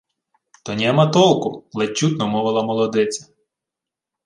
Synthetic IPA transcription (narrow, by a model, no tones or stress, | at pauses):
t̪ɔnʲɛmɐt̪ɔlˠkʊlˠɛt͡ʃːut̪nɔmɔʋɪlˠɐmɔlˠɔd̪ɪt͡sʲɐ̥